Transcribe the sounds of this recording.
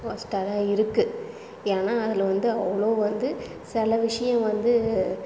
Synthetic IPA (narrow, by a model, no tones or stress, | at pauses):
koːsʈaːðãːɪɾɯkːɯ | eːnaːɐðɪlʋɐnd̪ɯɐʋːɐɭoːʋɐnd̪ɯ | sɪlɐʋɪʂɐjɐ̃ʋɐnd̪ɯ